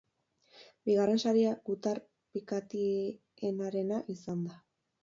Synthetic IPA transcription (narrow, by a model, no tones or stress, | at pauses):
biɣare̞nsaɾiaɡut̪ar | pikat̪i | enaɾe̞naʔisand̪a